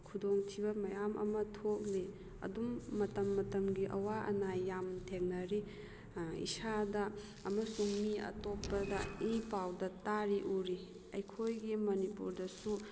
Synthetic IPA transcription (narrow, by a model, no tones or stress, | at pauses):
kʰudoŋtʰibɐmɐjamʔɐ̰mɐtʰok̚li | ɐ̰dumːɐtɐmːɐtɐmɡiʔɐwaʔɐ̰najːamtʰeŋnɐɾi | ḭsadɐː | mɐsuŋniɐ̰topːɐdɐipawdɐtaɾiʔuɾi | ɐ̰jkʰojɡimɐnipṵɾdɐsu